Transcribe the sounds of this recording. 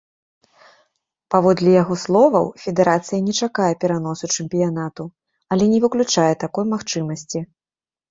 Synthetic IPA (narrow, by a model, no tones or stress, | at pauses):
pavɔd̪lʲijaɣɔslˠɔvɐ̰wfʲɛd̪ɛɾat̪sɨjɐnʲɛt͡ʂakajɛpʲɛɾan̪ɔsut͡ʂɨmpʲijan̪at̪u | ɐlʲɛnʲɛvɨklʲut͡ʂajɛt̪akɔjmaxt͡ʂɨmɐsʲt͡sʲi